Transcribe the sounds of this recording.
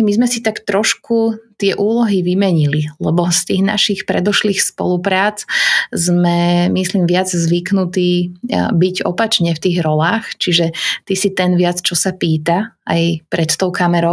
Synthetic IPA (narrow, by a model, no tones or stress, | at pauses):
mizmɛsit̪akt̪ɾɔʃkut̪ɪɛʔuːlɔɦiʋimɛɲililɛbɔst̪iːɣna̰ʃixpɾɛd̪ɔʃliːxspɔ̰lupɾaːt͡szmɛmisliːmʋɪad͡zzʋiknut̪iːbiɟɔ̰pat͡ʃɲɛft̪iːɣɾɔlaːxt͡ʃiʒɛt̪isit̪ɛnʋɪat͡st͡ʃɔsapiːt̪aajpɾɛt̪t̪ɔʊkamɛɾɔ